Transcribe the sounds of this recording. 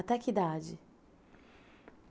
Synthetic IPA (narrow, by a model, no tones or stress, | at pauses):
t̪akid̪ad͡ʒɪ